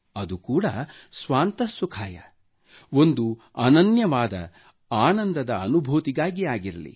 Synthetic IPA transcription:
ɐd̪ukuːɽɐsʋaːnt̪ɐsukʰaːjɐ̰ | o̞nd̪u | ɐ̰nɐnjɐʋaːd̪ɐ̰ | aːnɐnd̪ɐd̪ɐɐnubʱuːt̪iɡaːɡiaːɡiɾɐlḭ

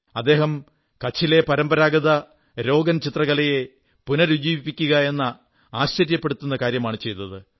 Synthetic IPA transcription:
ɐd̪ːe̞ːɦɐm | kɐt͡ɕʰːile̞pɐɾɐmbɐɾaːɡɐðɐ | ɾo̞ːɡɐnt͡ɕit̪rɐɣɐlɐje̞ | punɐɾud͡ʑiːʋipːikʲːuɣɐe̞nːɐ | aːɕt͡ɕɐɾjɐpːeɽut̪ːunːɐkaːɾjɐmaːɳɨt͡ɕe̞jt̪ːɐðɨ

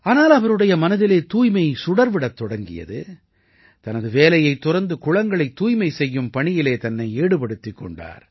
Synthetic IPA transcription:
aːnaːlɐʋɐɾɯɽɐjɐmɐnɐðɪleːt̪uːjmɐɪsʊɽɐɾʋɪɽɐt̪ːɔɽɐŋɡɪ̰jɐ̰ðɯ̰ | t̪ɐnɐðɯʋeːlɐjɐɪt̪ːʊɾɐɾnd̪ɯkʊɻɐŋɡɐɭɐɪt̪ːuːjmɐɪsɛjːɯmpɐɳɪjɪleːt̪ɐnːɐɪeːɽɯpɐɽɯt̪ːɪkːɔ̰ɳɖa̰ːɾ

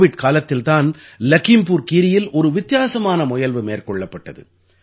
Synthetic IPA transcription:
ʋɪɖkaːlɐt̪ːɪlt̪aːnlɐkɪmpuːɾkiːɾɪjɪlʔɔɾɯʋɪt̪ːjaːsɐmaːnɐmʊjɐlʋɯmeːrkɔɭːɐpːɐʈːɐðɯ̰

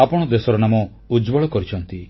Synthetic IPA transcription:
apɔɽ̃ɔd̪esɔɾɔnamɔ | ud͡ʒbɔɭɔkɔɾit͡ʃʰɔnt̪i

